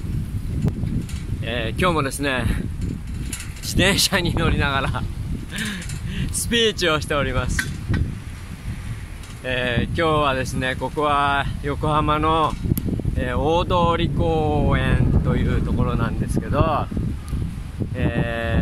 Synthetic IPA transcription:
eːkʲo̞ːmo̞d̪e̞sɨne̞ | d͡ʑid̪ẽ̞ɰ̃ɕaɲ̟ino̞ɾʲinaɡaɾa | sɨ̥pʲiːt͡ɕio̞ɕi̥t̪e̞o̞ɾʲimasɨ̥ | eːkʲo̞ːβad̪e̞sɨne̞ko̞koβajo̞ko̞hamano̞ | eːoːd̪o̞ːɾʲikoːẽnt̪o̞jɯ̟ːt̪o̞ko̞ɾo̞nãnd̪e̞sɨ̥ke̞d̪o̞ | eː

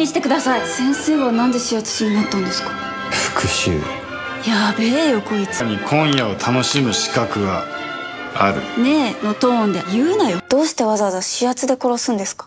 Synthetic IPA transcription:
iɕi̥t̪e̞kɯd̪asaisẽ̞ɰ̃se̞ːβonãnd̪e̞ɕijat͡sɨ̥ɕiɲ̟inat̪ːãnd̪esɨ̥kḁ | ɸɯ̥kɯ̟ɕɨ̰ː | jabejo̞koit͡sɨɲ̟ikʰõ̞ɰ̃jao̞t̪ʰano̞ɕimɯ̟ɕi̥kakɯ̟ɡa | aɾɯ̟̰ne̞not̪õːnd̪ejɯːenajod̪̥o̞ːɕi̥t̪e̞βazaβazaɕijat͡sɨd̪e̞ko̞ɾo̞sɨ̃nd̪e̞sɨ̥kḁ

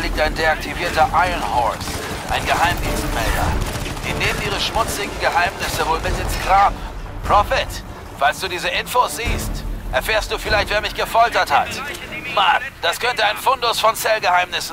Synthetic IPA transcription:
liːk̚taɪndeak̚tʰiviːɐtɐʔaɪənhɔ̰ɹs | ʔaɪnɡəhaɪmdiːnstmɛ̰ldɐ̰d̥ineːmənʔiːʁ̞əʃmʊt͡sɪɡŋ̩ɡəɦaɪmnɪsəvoːlmɪtɪnsɡ̥ʁaːm | pʁ̥ɔfɪt | falsd̥uːdiːzəʔɪnfosz̥iːstʔɛɐfɛːɐstd̥uːfɪlaɪçtv̥eːɐmɪçɡ̥əfɔltɐthat | mand̥askʰœntəaɪnfʊndʊsfɔnt͡sɛlɡəhaɪmnɪsn̩

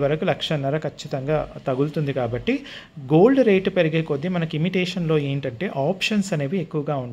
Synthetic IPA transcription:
ʋɐɾɐkulɐkʂɐnːɐɾɐkʰɐt͡ʃːit̪ɐŋɡaːt̪ɐɡult̪und̪ikaːbɐʈːi | ɡo̞ːlɖɾejʈpeɾiɡeːkod̪ːimɐnɐkuimiʈɛːʂɐnlo̞ːe̞ːɳʈɐɳʈe̞ːʔaːpʂɐnsɐneːʋiekːuʋɐɡaːuɳɖ

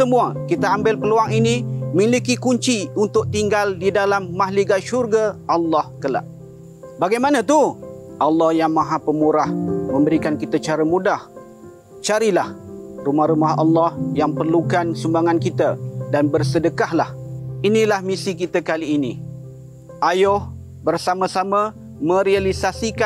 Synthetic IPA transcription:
səmuakit̪aambɪlpəluaŋinimilikikuɲt͡ʃiunt̪ʊk̚t̪iŋɡaldidalamːaɦliɡaʃurɡaʔɑlːɑhkəla̰ʔ | baɡajmanãt̪uʔɑlːɑhjaŋmãɦapəmuɾahmə̃mbəɾikankit̪at͡ʃaɾamudah | t͡ʃaɾilahrumahɾumaɦɑ̰lːɑhjaŋpərlukansumbaŋankit̪adanbərsədəkahlahinilahmisikit̪əkaliːni | ʔajʊh | bərsaməsama | mə̃ɾialisasika

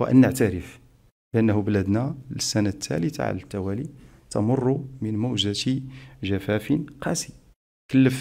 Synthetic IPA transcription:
wʔə̰nːəʕt̪æɾəf | bəʔənːhʊblæd̪næləsːænat̪ʰːæ̰lət̪a̰ʕa̰lət̪ːæwælit̪ɑmʊrˤːumənmuwʒət̪ʒæfæfənqɑsi | kəlːəf

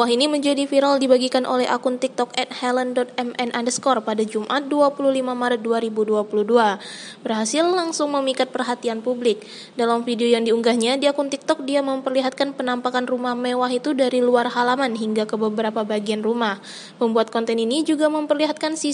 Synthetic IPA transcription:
waɦiniməɲd͡ʒadifiɾaldibaɡikanʔo̰lɛɦa̰kʊnt̪ik̚t̪ɔkɛt̪̚hɛləndɔt̪̚ɛmɛnʔandəskɔrpadad͡ʒumʔat̪̚duapuluhlimamaɾət̪̚duaɾibuduapuluhduabərɦasɪlːaŋsʊŋməmikat̪̚pərɦat̪ianpublɪk̚ | dalamfideojaŋdiuŋɡahɲadiakunt̪ik̚t̪ɔk̚diaməmpərliɦat̪̚kanpənampakanrumahmewaɦit̪udaɾiluarɦalamanɦiŋɡakəbəbəɾapabaɡianrumah | məmbuat̪̚kɔnt̪ɛninid͡ʒuɡaməmpərliɦat̪̚kansi

